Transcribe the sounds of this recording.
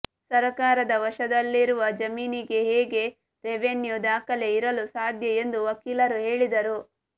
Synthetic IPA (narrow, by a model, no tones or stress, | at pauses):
sɐɾɐkaːɾɐd̪ɐʋɐʃɐd̪ɐlːiɾuʋɐd͡ʒɐmiːniɡe̞ɦeːɡe̞ | ɾeʋenjud̪aːkɐle̞iɾɐlusaːd̪ʱjɐe̞nd̪uʋɐkiːlɐɾuɦe̞ːɭid̪ɐɾu